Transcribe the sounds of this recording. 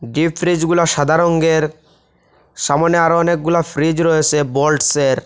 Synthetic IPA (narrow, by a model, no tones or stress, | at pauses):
ɖifʰɾid͡ʑɡulaʃad̪ʱaɾoŋɡeɾ | ʃamoneaɾoɔnek̚ɡulafɾid͡ʑɾɔjet͡ɕʰebolɖseɾ